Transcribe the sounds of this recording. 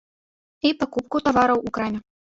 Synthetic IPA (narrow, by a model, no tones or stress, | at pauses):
ipakup̚kut̪avaɾɐwukɾamʲɛ